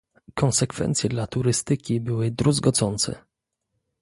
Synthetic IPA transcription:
kʰɔnsɛkfɛ̰nt̪sʲjɛd̪lat̪uɾɘst̪ɘkʲibɘwɘd̪ɾuzɡɔd̪zɔnt̪sɛ̰

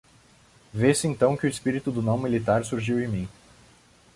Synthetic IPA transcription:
vesɪẽnt̪ɐ̃w̃kɪʊɪspiɾit̪ʊd̪ʊnõw̃milit̪aɾsuɾʒiwẽmĩ

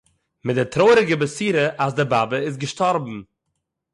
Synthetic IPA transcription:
mɪt̚dɪtɾoːɾɪɡəbəsiːɾəʔasdɪɾbabəɪs̬ɡəʃtɔɾbm̩

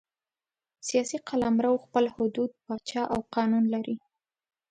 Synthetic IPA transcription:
sijɑsiqʰalamɾawxpəlhʊd̪ud̪̚pɑt͡ʃɑʔawqɑnunlaɾi

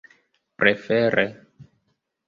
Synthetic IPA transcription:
pɾefeɾʔe

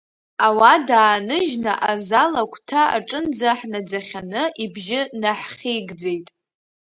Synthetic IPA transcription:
awadaːnɨʒnaʔazalakʷʰʼtʰaa̰ʈ͡ʂʼɨnd͡zaħnad͡zaχʲanɨʔibʒɪnaħχʲijɡd͡zejtʼ

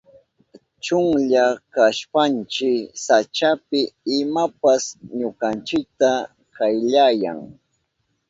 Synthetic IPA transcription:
t͡ʃʊŋʎakaʃpant͡ʃɪksat͡ʃapɪɪmapasɲokant͡ʃɪk̚t̪a | kajʎaja̰ŋ

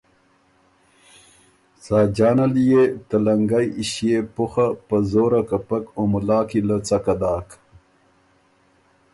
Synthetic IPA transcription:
saːd͡ʒɑːnaljet̪alaŋɡajiɕijepuxapəzoːɾakapakomulɑːkilət͡sakad̪ɑːk

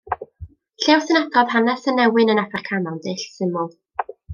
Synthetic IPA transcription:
ɬɛwsənaɡɔð̥hanɛsənːɛwɨnənafɛrkʰanɔndɪɬsɪmʊlˠ

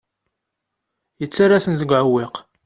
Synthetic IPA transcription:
jət͡sːaɾaθənðəɡʷʕəwːɪq

